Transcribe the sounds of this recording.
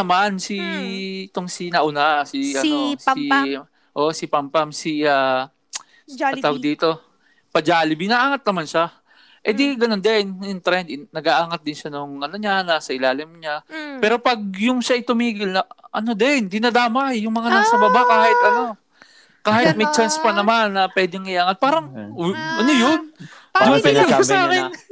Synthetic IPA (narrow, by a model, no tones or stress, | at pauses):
nɐmansi | t̪oŋsinɐʔʊnasiɐosi | ʔo̞ʔsɪpampamsiaː | ɐaːwɡ̚d̪iːt̪o̞ | pɐd͡ʒaːlɪbinɐʔaːŋɐt̪̚nɐmanʃa | ʔɛd̪iɡɐno̞nd̪ɛnɪnt̪ɾɛnd̪ɪnɐɡaʔaːŋɐt̪̚d̪ɪnʃanʊŋʔɐno̞ɲanaːsɐʔɪlaːlɪmɲapɛːɾo̞pɐɡ̚jʊŋʃaʔɪt̪ʊmiːɡɪlnɐʔɐ̰no̞d̪ɛnd̪ɪnɐd̪aːmɐjʊŋmɐŋanaːsɐbɐbakaːhɪt̪ʔɐno̞ | kaːhɪt̪̚mɐjt͡ʃanspɐnɐmanːɐpwɛːd̪ɛŋɪʔaːŋɐt̪̚paːɾɐŋʔɐno̞jond̪ʊpɛɪʊsaːkɪn